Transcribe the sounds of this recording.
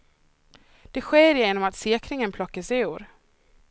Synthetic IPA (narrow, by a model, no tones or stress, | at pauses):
d̪̥ɛɧeːɾjeːnɔmat̪seːkʰɾɪŋənpʰlɔkːəsɛuːɾ